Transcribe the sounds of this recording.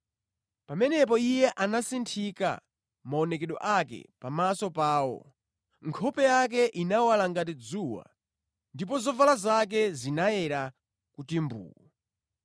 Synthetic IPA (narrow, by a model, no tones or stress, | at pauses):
pamɛnɛp̬ɔijɛʔanasintʰika̰ | maɔnɛkɛɗɔ̰ʔakɛ̰pamasɔpaːwɔ̰ | ŋkʰɔpɛjak̬ɛʔinawalaŋɡatid͡zuwa̰ | ndip̬ɔzɔvalazak̬ɛzinaɛɾa | kutimbṵːu